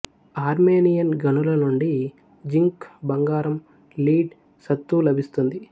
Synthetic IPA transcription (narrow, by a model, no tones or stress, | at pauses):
aːɾmeːnijɐnɡɐnulɐnuɳɖi | d͡ʒiŋkbɐŋɡaːɾɐm | liːɖ | sɐt̪ːulɐbʱist̪und̪i